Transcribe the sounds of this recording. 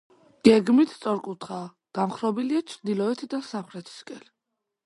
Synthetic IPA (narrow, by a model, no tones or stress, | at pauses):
ɡ̥ɛɡmit̪ʰst̪sʼɔɾkʼut̪ʰχaː | ɡ̥amχɾɔbiliat͡ʃʰɾd̪ilɔɛt̪ʰd̪asaχɾɛt̪ʰi̥skʼɛn